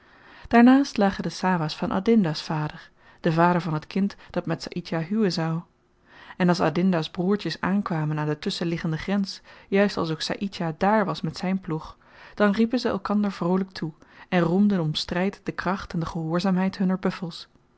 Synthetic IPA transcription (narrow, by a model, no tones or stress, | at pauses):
d̥aːɹnaːstlaːχəndəsaːvaːsfɑnʔa̰ːdɪndasfaːdəɹ | d̥əvaːɾəɹvɑnɦətkɪntd̥ɑtmɛtsa̰ʔitaɦywənzɑw | ɛnɑlˠsa̰dɪndazbruːɹtəsaːnkʋaːmənaːndətɵsəlɪχəndəχrɛnsjœɥstɑ̰lˠs̬owksa̰ːʔitadaːɹʋɑsmɛtsɛjnpluχ | d̥ɑnripənzəɛ̰lˠkɑndəɹvrowlək̚tʰuɛnrumdənɔmstrɛjtd̥əkrɑχtɛndəχəɦʊːɹzaːmɦɛjtɦɵnəɹbɵfəlˠs